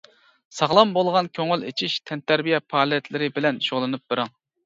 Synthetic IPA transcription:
sɑʁlˠɑmbolˠʁɑnkʲʰøŋɪlḛt͡ʃʰiʃt̪ʰɛnt̪æɾbijɛpʰɑːlˠjɛt̪lɪɾɪbɪlɛnʃoʁlˠɨnɨp̚bɪɾɪŋ

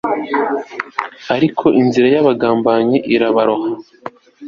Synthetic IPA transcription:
aɾikʰo̞ʔinziɾajaβaɡaːmbaːɲiʔiɾaβaɾo̞ha

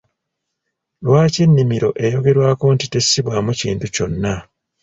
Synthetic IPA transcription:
lwaːcenːimiɾo̞ʔe̞jo̞ɡe̞ɾwaːko̞ntite̞sːiβwamucḭːntuco̞nːa

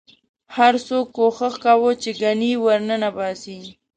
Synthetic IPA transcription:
haɾsokːoxəxkawot͡ʃeɡaniwəɾnənabɑsi

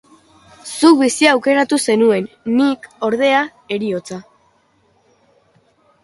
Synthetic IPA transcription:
suβisiawke̞ɾat̪use̞nue̞nː | iko̞ɾð̞e̞a | e̞ɾio̞t͡sa

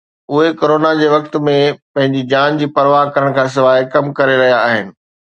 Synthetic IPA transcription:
ʊɦekoːɾoːnad͡ʑeːʋɐkt̪mẽpɐ̃ɦɪ̃ɲd͡ʑid͡ʑaːnd͡ʑiːpɐɾʋaɦkɐɾəɽ̃kʰãːs̬ɪʋaːɦekɐmkɐɾeɾɐɦijaːɦɪnɪ̆

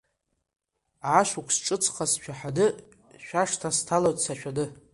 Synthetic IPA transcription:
ʕaʃukʷʰsʈ͡ʂʼɨt͡sʰχʰasʃᶣʰaħadɨ | ʃʷᶣaʂtʰastʰalotʼsaʃᶣadɨ

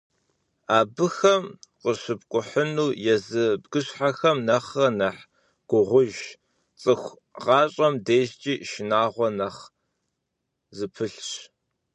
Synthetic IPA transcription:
aːbɨxɐmqəɕɨb̚kʷʼʊħənuːjɛzɨbɡɨɕħaxɐmnɐχɐnɐħ | ɡ̥ʷʊʁʷʊʒ | t͡sʼɨxʷ | ʁɑːɕʼɐmdeːʒt͡ʃʼiːʃɪnaːʁʷɔnɐχ | zɨpʰɨɬɕ

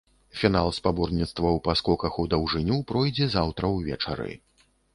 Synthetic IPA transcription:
fʲinalˠspabɔrnʲit̪st̪vɐwpaskɔkɐxud̪ɐwʐɨnʲupɾɔjd͡zʲɛzawt̪ɾɐwvʲɛ̰t͡ʂa̰ɾɨ̰

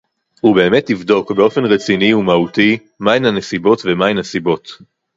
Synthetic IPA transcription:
hube̞ːme̞tːivdo̞kbeo̞fe̞nʁet͡siniumauti | mainhane̞sibo̞tve̞mainasibo̞t

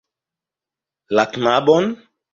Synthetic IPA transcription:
latnabɔn

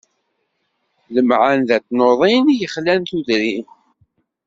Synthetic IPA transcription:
ləmʕanðæt͡sːnoðˤinjəχlænθuðɾin

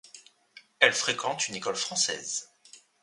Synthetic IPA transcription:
ɛlfχekɑ̃t̪ynekɔlfχɑ̃sɛ̰ːz

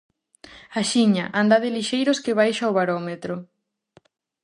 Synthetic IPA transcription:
aʃiɲaʔand̪aðɪliʃejɾʊskɪβ̞ajʃaoβaɾɔmet̪ɾʊ

